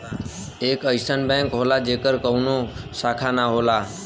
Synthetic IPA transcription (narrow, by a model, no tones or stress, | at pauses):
ekəjsənbɛ̃ŋkɦolad͡ʒekəɾkəwnosakʰanaɦola